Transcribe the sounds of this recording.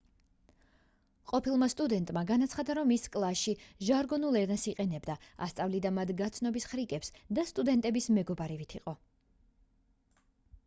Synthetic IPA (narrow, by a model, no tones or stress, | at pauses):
qʼɔpʰilˠmast̪ʼud̪ɛnt̪ʼmaɡanat̪sʰχad̪aɾɔmːiskʼlˠasʃiʒaɾɡɔnulˠɛɾnɛsiqʼɛnɛbd̪aa̰st̪sʼavlid̪amat̪ʰɡat̪sʰnɔbisχɾikʼɛpsd̪ast̪ʼud̪ɛnt̪ʼɛbismɛɡɔbaɾivit̪ʰiqʼɔ